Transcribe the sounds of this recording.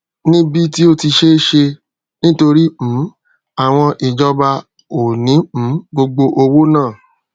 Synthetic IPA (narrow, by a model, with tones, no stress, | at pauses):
nĩ˦bi˦ti˦o˦ti˧ʃe˦ʃe˧ | nĩ˦to˧ɾi˦m̩˨˦ | a˨w̃ɔ̃˧ʔi˨d͡ʒɔ˧ba˧ | o˨nĩ˨˦m̩̃˨˦ɡ͡bo˧ɡ͡bo˧ʔo˧wo˦nãː˦˨